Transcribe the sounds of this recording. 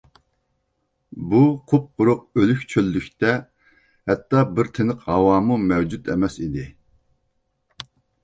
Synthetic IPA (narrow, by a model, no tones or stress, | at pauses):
buqʰʊp̚qʊɾʊq̚ølykʲt͡ʃʰølːykʲt̪ɛ | hɛt̪ːɑbɪɾt̪ʰenəqhɑwɑːmumɛwd͡ʒut̪ɛmɛsid̪ɪ